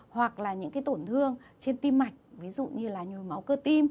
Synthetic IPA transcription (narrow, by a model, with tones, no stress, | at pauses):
hwa˨˩k̚laː˨˩ɲɨ̰˧˥ŋkaː˨˦jt̪o˧˩nt̪ʰɨ˧əŋt͡ɕe˧nt̪i˧mːa˨˩jk̟̚vi˨˦zṵ˧˨ɲɨ˧laː˨˩ɲu˨˩əjma˨˦wkəː˧˩t̪i˧m